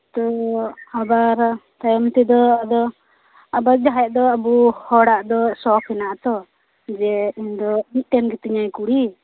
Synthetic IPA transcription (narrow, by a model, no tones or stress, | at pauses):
t̪ɔabaɾt̪ajmt̪ɛd̪ɔad̪ɔ | abaɾ̚d͡ʒaɦɛʔ̚d̪ɔabuhɔɽaʔd̪ɔsɔpʰɛnaʔt̪ɔ | d͡ʒɛiɲd̪ɔmit̪̚ˀʈɛnɡɛt̪iɲajkuɽi